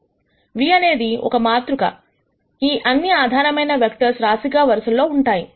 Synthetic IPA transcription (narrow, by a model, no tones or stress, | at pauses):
ʋiːɐne̞ːd̪iɔ̰kɐmaːt̪ɾukɐ̰ | iːʔɐnːiaːd̪ʱaːɾɐmɐjnɐʋjɐkʈɐɾsɾaːsikaːʋɐɾɐsɐlːo̞ːuɳʈaːji